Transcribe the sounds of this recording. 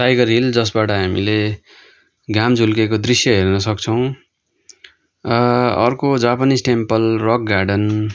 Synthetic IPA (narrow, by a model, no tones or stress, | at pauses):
ʈajɡʌrɦild͡zʌsbaʈʌɦamile | ɡamd͡zʱulkekod̪risjʌɦernʌsʌkt͡sʰʌw̃ | rʌʌrkod͡zapʌnisʈempʌlrʌk̚ɡaɖʌn